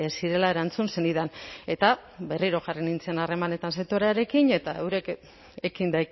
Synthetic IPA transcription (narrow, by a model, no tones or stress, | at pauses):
esiɾe̞lae̞ɾant͡sunse̞niðane̞t̪abe̞riɾo̞ɣarenint͡senare̞mane̞t̪anset̪o̞ɾeaɾe̞kiɲe̞t̪aewɾe̞k | ekind̪aj